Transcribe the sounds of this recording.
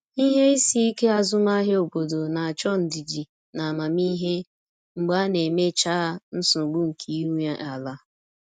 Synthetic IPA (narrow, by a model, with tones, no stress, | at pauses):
i˦ɦe˦i˦si˦i˦ke˦a˨zʊ˦ma˦ɦe˦o˨bo˨do˨na˨a˨t͡ʃɔ˦n̩˨di˨d͡ʒi˨ | na˨ma˨mi˦ɦe˦ | ŋ͡m̩˨ɡ͡ba˦ne˨me˦t͡ʃa˦a˦n̩˦sʊ˨ɡ͡bu˦ŋ̩˨kʰi˨˦u˦ɲa˦ʔa˨la˦